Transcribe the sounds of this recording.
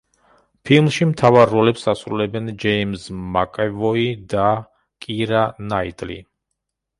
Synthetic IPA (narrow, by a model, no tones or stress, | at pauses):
pʰilˠmʃimt̪ʰavaɾːɔlɛpsasɾulɛbɛnd͡ʒɛimzmakʼɛvɔid̪a | kʼiɾanait̪ʼlḭ